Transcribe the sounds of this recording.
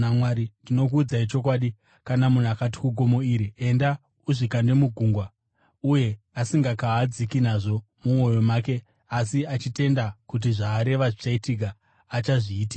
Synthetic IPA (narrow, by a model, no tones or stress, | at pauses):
amwaɾindino̞k̬uːd͡zait͡ʃo̞k̬waːɗi | kanamun̤akat̬i̥kuɡo̞mo̞iɾie̞nda | uʐikande̞muɡʱuŋɡwa | uje̞ | asiŋɡakaːd͡zikinaʐo̞ | mumwo̞jo̞maːke̞ | asiat͡ʃite̞ndakut̬iʐaːɾe̞ʋaʐit͡ʃaitik̬aː | t͡ʃaʐiːtika